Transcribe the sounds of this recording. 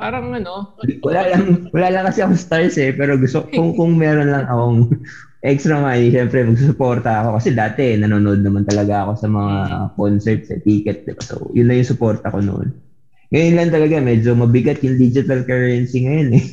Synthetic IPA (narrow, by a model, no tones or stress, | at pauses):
paːɾɐŋɐnowɐlaːlɐŋwɐlaːlɐŋkɐsɛɐkost̪aɹsɛpɛːɾo̞ɡʊst̪ookʊŋkʊŋmɛːɾonlɐŋʔɐko̞oŋ | ʔɛkst̪ɾɐmaːniʃɛmpɾɛmɐɡs̬usʊpo̞ɾt̪ɐɐko̞kɐsɛd̪aːt̪ɛnɐnoːnood̪nɐmant̪ɐlɐɡaʔɐko̞sɐmɐŋakonsɛɹp̪sɐ̰t̪iːkɛt̪̚d̪ɪba̰so̰jʊnːɐjʊŋsʊpo̞ɾt̪ɐko̞no̰ʔo̰n | ŋɐjonlɐŋt̪ɐlɐɡamɛːd͡ʒo̞mɐbɪɡat̪jʊŋd̪iːd͡ʒɪt̪ɐlkɛɹɐnsiŋɐjo̞nɛ